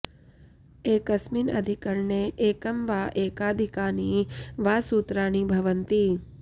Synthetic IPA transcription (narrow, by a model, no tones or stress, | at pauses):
eːkəsmiːnɐ̰d̪ʱɪkəɾneʔeːkəmʋaːʔeːkaːd̪ʱɪkaːniʋaːsuːt̪ɾaːñibʱɐʋənt̪i